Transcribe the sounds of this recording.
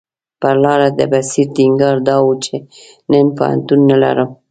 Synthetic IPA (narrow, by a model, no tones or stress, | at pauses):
pəɾlɑɾad̪əbasiɾt̪iŋɡɑɾd̪ɑwut͡ʃe | nənpo̰ha̰nt̪unːala̰ɾəm